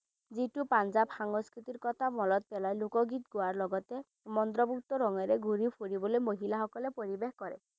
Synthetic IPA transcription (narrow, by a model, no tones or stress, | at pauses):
zitupand͡ʒabhaŋɔskɾit̪iɾkɔt̪ʰamɔlɔt̪̚pɛlajlokɔɡit̪ɡoaɾlɔɡɔt̪e | mɔnd̪ɾɔbuk̚t̪ɔɾɔŋɔjɾeɡʱuɾipʰoɾibɔlojmoɦilaɦɔkɔlepoɾibexkɔɾe